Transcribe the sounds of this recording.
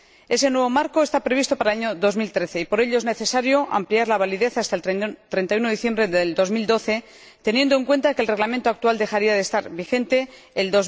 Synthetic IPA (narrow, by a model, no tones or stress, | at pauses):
e̞se̞nwe̞β̞o̞maɾkoe̞st̪apɾe̞β̞ist̪o̞paɾaaɲo̞ðo̞zmilt̪ɾe̞θe̞ipo̞ɾe̞ʎo̞ezne̞θe̞saɾjo̞ʔa̰mpliaɾlaβaliðe̞θast̪aet̪ɾe̞nt̪ajuno̞iθje̞mbɾeðeld̪o̞zmild̪o̞θe̞ | t̪e̞nje̞nd̪oeŋkwe̞nt̪akelre̞ɣlamẽnt̪oak̚t̪uald̪e̞xaɾiaðe̞st̪aɾβixe̞nt̪e̞ːld̪oz